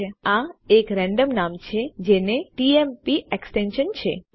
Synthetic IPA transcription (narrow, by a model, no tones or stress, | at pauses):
ãekɾɛ̃ɳɖəmnamt͡ʃʰed͡ʒeneʈiempiʔeksʈenʃənt͡ʃʰe